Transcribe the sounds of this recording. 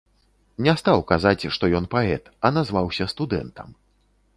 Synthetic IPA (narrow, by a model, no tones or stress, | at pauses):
nʲɛst̪awkazat͡sʲʂt̪ɔjɔnpaɛt̪ɐnazvawsʲɐst̪ud̪ɛ̰nt̪ʰɐm